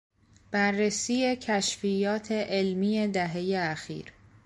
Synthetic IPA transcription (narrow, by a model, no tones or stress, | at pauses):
b̥æɾːesiːje̞cʰæʃfijɒːt̪ʰe̞ʔelmiːje̞d̪æɦe̞jeæxḭːɾ